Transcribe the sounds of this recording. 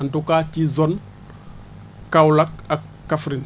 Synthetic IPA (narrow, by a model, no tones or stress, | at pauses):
ɐntukacizɔn | kawlɐk̚ɐkːafɾin